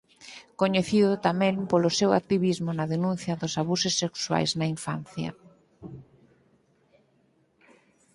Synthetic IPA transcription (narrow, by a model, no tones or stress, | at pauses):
koɲeθiðʊt̪amɛ̃ŋpolʊsewa̰k̚t̪iβizmʊnɐðenũn̟θjɐðʊsaβusesːekswa̰jznɐiɱfa̰n̟θjɐ̰